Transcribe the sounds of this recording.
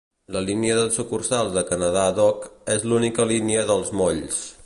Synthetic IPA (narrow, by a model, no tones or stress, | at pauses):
ləliniəðəlˠsukursalˠzðəkənəðaðɔkezlunikəliniəðəlˠzmoʎs